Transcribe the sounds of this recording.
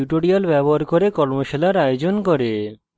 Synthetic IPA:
uʈoɽialbɛboaɾkoɾekɔɾmoʃelaɾajod͡ʑonkoɾe

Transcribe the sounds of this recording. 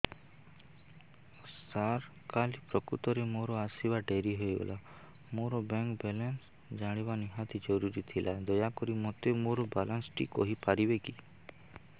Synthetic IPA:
saɾ | kalipɾɔkɾut̪ɔɾemoɾɔasibaɖeɾiɦojbḛla | moɾɔbɛŋkbelens | d͡ʒaɽ̃ibaniɦat̪id͡ʒɔɾuɾit̪ʰilad̪ɔjakɔɾimɔt̪emoɾɔbalansʈḭkɔɦipaɾibeki

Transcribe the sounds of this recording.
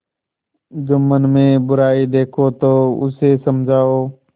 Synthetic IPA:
d͡ʒʊmənmẽːbʊɾaːiːd̪eːkʰoːt̪oːʊ̰seːsəmd͡ʒʱaːoː

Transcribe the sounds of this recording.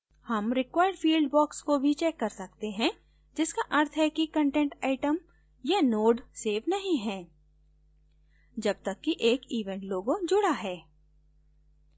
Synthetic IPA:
hɐmɾɪkwaːɪəɖfiːlɖ̚bɔːkskobʱit͡ʃɛːkːɐɾsɐk̚t̪eɦɛ̃ | d͡ʒɪskaʔɐɾt̪ʰɦɛkikɐ̃ɳʈẽːɳʈaːɪʈəm | janoːɖseːʋnɐɦĩɦɛ̃ː | d͡ʒɐb̚t̪ɐkːiʔeːkiːʋẽɳʈloːɡõd͡ʒʊɽaɦɛː

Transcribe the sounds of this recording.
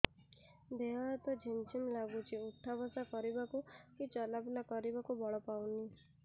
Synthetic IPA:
d̪eɦat̪ɔd͡ʒʱint͡ʃimlaɡut͡ʃʰiuʈʰːabɔsakɔɾibakukit͡ʃɔlabulakɔɾibakubɔɭɔpawni

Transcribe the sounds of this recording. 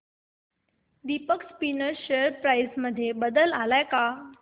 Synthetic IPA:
d̪ipəkspinəɾɕeəɾpɾajsməd̪ʱːjebəd̪əlalajka

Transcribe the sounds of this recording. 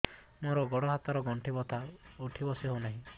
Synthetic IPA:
moɾɔɡɔɽɔɦat̪aɾɔɡɔɳʈʰibɔt̪ʰaoʈʰibɔsiɦonaɦĩ

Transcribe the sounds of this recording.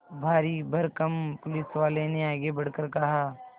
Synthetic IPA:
bʱaːɾibʱɐɾkɐmpʊlɪsʋaːleneaːɡebɐɽ̤kəɾkɐɦaː

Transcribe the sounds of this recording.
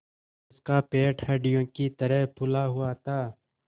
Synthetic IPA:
ɪskaːpeːʈʰeːɖijõːkit̪əɾəɦpʰʊlaːɦʊaːt̪aː

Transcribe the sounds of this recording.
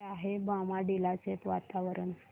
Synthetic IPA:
aɦebamaɖilat͡sepʋat̪aʋəɾən

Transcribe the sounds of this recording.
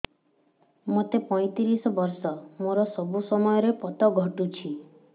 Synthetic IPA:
mot̪epɔjt̪iɾisɔbɔɾsɔmoɾɔsɔbusɔmɔjɔɾepɔt̪ɔɡʱɔʈut͡ʃʰi

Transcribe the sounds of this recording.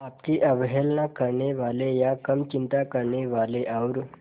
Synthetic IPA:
apkiʔəʋɦelnakəɾɳeʋalejakəmt͡ʃint̪akəɾɳeʋaleʔawɾ

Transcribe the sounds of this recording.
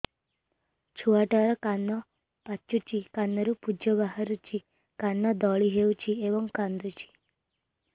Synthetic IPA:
t͡ʃʰuaʈaɾɔkanːɔ | pat͡ʃːut͡ʃikanːɔɾupud͡ʒɔbaɦaɾut͡ʃʰi | kanːɔd̪ɔɭiɦewt͡ʃʰiebɔŋkand̪ɾut͡ʃʰi̥

